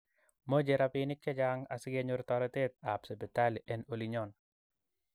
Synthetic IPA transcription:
mo˦d͡ʒeɾapinɪ˦k̚t͡ʃɛ˦d͡ʒaŋa˨sɪ˦ɡeɲoɾt̪ɔlɔt̪e˦t̪̚a˨psɛ˨pɛ˨t̪a˦li˨ʔɛno˨liɲɔn

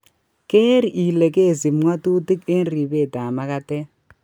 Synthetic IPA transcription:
ke˦ɾi˨ʔi˨lɛ˨kʼe˦˨zi˨m̩˦ŋwa˦tu˦ti˦ke˦n˦ri˨be˦˨da˨ma˦ka˦tɛ˦

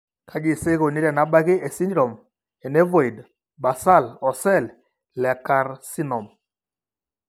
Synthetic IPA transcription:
kʰa˦d͡ʒɪ˨se˦ko˨ni˦ɾɛ˨na˨˦ba˦ɡɪ˦e˨si˦ndɾɔ˨m | e˨ne˦vo˨i˨d | ba˨sa˦˨lɔ˨sɛ˦˨l | lɛ˨ka˨ɾsi˦nɔ˨m

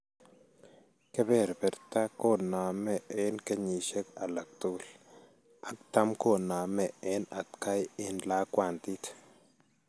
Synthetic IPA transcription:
ke˦be˦˨ɾbe˨ɾt̪a˦ko˦na˨me˨e˦nke˦ɲi˨ʃe˦ka˨la˨k̚t̪u˦l | a˦k̚t̪a˦mko˦na˨me˦˨ʔe˦na˨t̪ka˦ji˦nla˦kʷwa˦˨nt̪i˦t̪

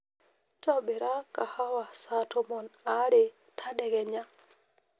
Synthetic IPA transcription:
t͡ʃɔ˦be˨ɾa˦ka˨ha˦wa˨sa˦to˨mɔ˨na˦ɾɪ˨ | tʰa˦dɛ˨ɡɛ˨ɲa˦

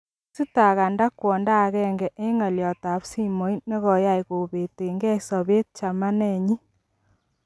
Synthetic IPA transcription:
si˦ta˨ɣa˨nda˦kwɔ˨nda˦˨ɣɛ˦ŋɡɛ˨ʔe˦ŋa˨ljɔ˨ta˨psi˦mo˨˦jne˦ɣɔ˨ja˦jko˨βe˨te˨ŋɡɛ˦sɔ˨βe˦t̚t͡ʃa˨ma˦nɛ˦˨ɲi˦

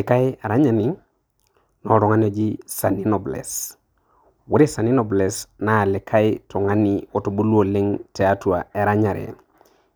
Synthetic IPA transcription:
le˨ka˦ja˨ɾa˦ɲa˨ni˨ | no˨ɾɔ˨ŋa˦n˦o˨d͡ʒi˦sa˨ni˦no˨blḛ˨s | wu˦ɾe˦sa˨ni˦no˨ble˨sna˨le˨kʰa˦jto˨ŋa˦ni˨o˨to˨bu˦lo˨le˦ŋtɛ˨a˦tu˨a̰˨e˨ɾa˦ɲa˨ɾḛ˨

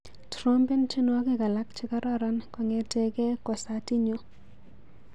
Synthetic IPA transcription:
tɾo˦mbe˦nt͡ʃi˦nwa˦kɪ˦ka˨la˦kt͡ʃɪ˦ka˦ɾɔ˦ɾa˦nkɔ˨ŋɛ˨te˦ke˦kɔ˨sa˨ti˦ɲo˦

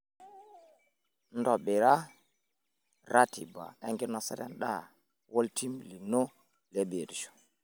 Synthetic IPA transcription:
ndɔ˨ɓɛ˨ɾa˦ | ɾa˦tʰḭ˨ba̰˨ɛ˦ŋɡi˦nɔ˨sɛ˦ɾɛ̰˦nɗa̰˦ | wo˦lti˦mli˨no˦ | le˦be˨ɾi˨ʃu̥

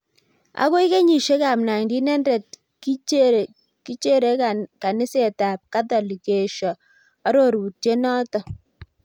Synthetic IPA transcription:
a̰˨˦ko˦i˦ke˦ɲi˨ʃe˦ka˨mna˨ŋdi˦nɛ˦ndɛ˨t̚ | ki˦˨ | ki˦t͡ʃe˦ɾe˨˦ka˨nɪ˦se˨ta˨p̚ka˦tɔ˨li˨ke˨ʃɔ˨ | a˦ɾo˦˨ɾu˨t͡ʃe˦nɔ˦tɔ˨

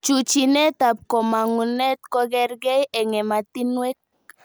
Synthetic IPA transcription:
t͡ʃut͡ʃi˨ne˦t̪a˨p̚ko˨ma˨ŋu˨ne˦t̪ko˧ɡɛ˦ɾɡɛ˦je˨ŋe˨ma˨t̪i˦nwe˦k̚

